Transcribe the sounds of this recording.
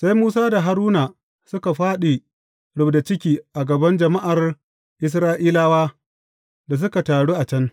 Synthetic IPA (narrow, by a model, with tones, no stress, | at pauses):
sa˦jmuː˦saː˦da˨ɦa˦ɾuː˦na˨ | sʊ˦ka˨ɸaː˦ɗi˨ | ɽʊ˨bda˨t͡ʃɪ˦kʲiː˨ʔa˨ɡɐ˨bɐ˦nd͡ʒɐ˨ma˦ʔa˨r | ʔɪ˨s̬ɾaː˦ʔiː˦laː˦waː˦ | da˨s̬ʊ˦ka˨taː˨ɽuː˦ʔa˨t͡ʃɐ˦n